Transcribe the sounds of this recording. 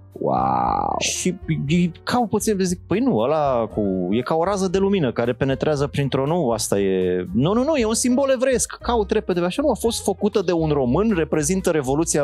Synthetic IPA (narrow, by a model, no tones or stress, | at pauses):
wa̰wʃiijkʰawput̪sinezik̚pəjnuəlakuje̞kao̞ɾazəd̪e̞luminəkaɾe̞pe̞ne̞t̪ɾeazəpɾint̪ɾonuast̪aje̞nununuje̞unsimbo̞le̞vɾeskːaut̪ɾe̞pe̞d̪eveaʃanuafo̞st̪fəkut̪əd̪e̞unro̞mɨnre̞pɾe̞zint̪əɾe̞vo̞lut̪sija